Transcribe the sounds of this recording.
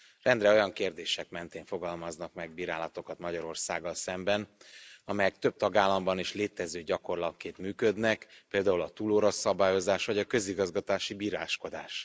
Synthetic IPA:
rɛnd̪rɛo̞jɒŋkeːrd̪eːʃɛkmɛnt̪eːɱfo̞ɡɒlmɒznɒkmɛɡ̚biːɾaːlɒt̪o̞kɒt̪mɒɟɒɾo̞rsa̰ːɡːɒlsɛmbɛnɒmɛjɛk̚t̪ø̞b̚t̪ɒɡaːlːɒmbɒniʃleːt̪ɛzøːɟɒko̞rlɒkːeːt̪myːkød̪nɛkpeːld̪aːulɒt̪uːloːɾosːɒbaːjo̞zaːʃʋɒɟɒkø̞ziɡɒzɡɒt̪aːʃibiːɾa̰ːʃko̞d̪aːʃ

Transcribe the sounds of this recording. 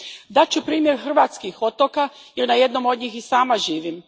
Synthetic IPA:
d̪at͡ɕupɾiːmjeɾxr̩ʋaːt̪skixo̞t̪okajeɾnaje̞d̪nomo̞d̪ɲiːxisaːmaʒiːʋim

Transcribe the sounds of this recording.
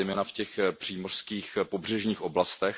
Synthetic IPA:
jmɛːnafcɛxpr̝̥iːmor̥skiːxpobr̝ɛʒɲiːxʔoblast̪ɛx

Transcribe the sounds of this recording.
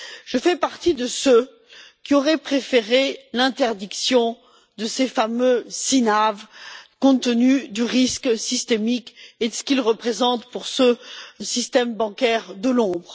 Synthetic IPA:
ʒ̥əfɛpaʁt̪id̪əsø | kʲiɔʁɛpχefeʁelɛ̃t̪ɛʁd̪iksjɔ̃ | d̪əsefamøsinavkɔ̃t̪ənyd̪yʁisksist̪emiked̪əsə̥kʲilʁəpχezɑ̃t̪puʁsəsist̪ɛmbɑ̃kʲɛʁd̪əlɔ̃bʁ

